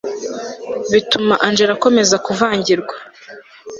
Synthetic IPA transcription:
βitumaʔand͡ʒeɾako̞me̞zakuvaːɲɟiɾɡwa

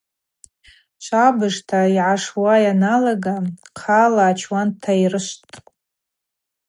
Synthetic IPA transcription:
ʃʷʰabɨʐtʰaiʕaʂwajanalaɡaqʰalaːt͡ʃʰwantʰairɨʃʷtʼ

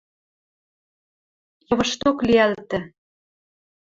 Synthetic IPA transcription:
jɤ̆βɤ̆ʃt̪okliælt̪ɘ̆

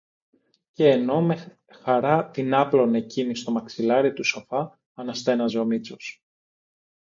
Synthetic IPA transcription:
ce̞ːno̞me | xɐɾɐt̪inɐplo̞ne̞cinist̪o̞mɐksilɐɾit̪uso̞fɐ | ɐnɐst̪e̞nɐzo̞mit͡sos

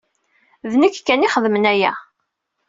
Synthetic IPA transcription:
ðnəkːkːæniχəðmənæjæ̰

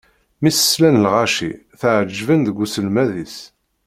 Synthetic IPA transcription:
misə̥slænlʁaʃḭ | θəʕəd͡ʒːvənðəɡːusəlmæðis

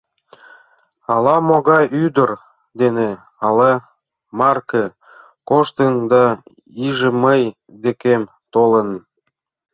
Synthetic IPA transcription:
ɑlɑmoɣɑjyd̪ər | d̪ene | ɑlɑ | mɑrkə | koʃt̪ənd̪ɑ | iʒĕməj | d̪ekem | t̪olə̆n

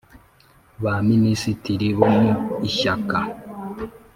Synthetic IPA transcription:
βaminisitiɾiβomuiʃaka

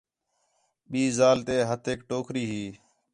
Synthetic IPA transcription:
ɓiːzaːlt̪eːɦət̪ʰeːkʈoːkʰɾiːɦiː

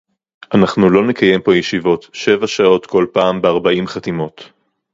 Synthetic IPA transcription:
ʔanaχnulo̞nekaje̞mpo̞jeʃivo̞tʃe̞vaʃao̞t̪kʰo̞lpaːmbeaʁbaʔimχat̪imo̞t

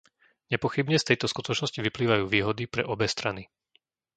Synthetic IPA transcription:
ɲɛpɔxibɲɛst̪ɛjt̪ɔskut̪ɔt͡ʃnɔsciʋipliːʋajuːʋiːɦɔd̪ipɾɛ̰ʔɔbɛst̪ɾani

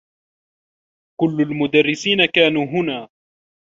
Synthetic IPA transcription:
kʊlːʊlmʊd̪arːɪsiːnakaːnuːɦʊnaː

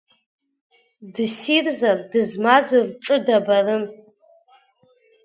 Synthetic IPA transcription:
dɨsirzardɨzmazurʈ͡ʂʼɨdabarɨn

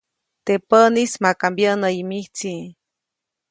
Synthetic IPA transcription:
t̪epənismakambjənəimiht͡si

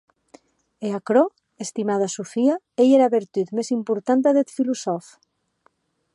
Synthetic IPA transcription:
eakɾɔ | est̪imað̞asufia | ejeɾaβeɾt̪yt̪mezimpuɾt̪ant̪aðet̪filusɔf

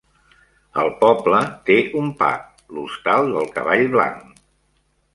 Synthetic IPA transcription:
əlˠpɔblət̪eumpa̰k̚ | lust̪alˠd̪əlˠkə̰βaʎβla̰ŋ

